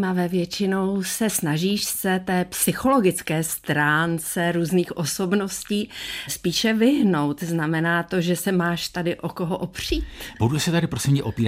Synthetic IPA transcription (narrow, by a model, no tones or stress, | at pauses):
mavɛːvjɛt͡ʃɪno̞wsɛsnaʒiːʃsɛt̪ɛːpsɪxo̞lo̞ɡɪt͡skɛːst̪ɾaːnt͡sɛɾuːzniːxʔoso̞bno̞sciːspiːʃɛvɪɦno̞wt̪znamɛnaːt̪o̞ʒɛsɛmaːʃt̪adɪʔokoɦoʔopr̝̥iːt̪budusɛt̪adɪpɾosimɛʔopiːɾa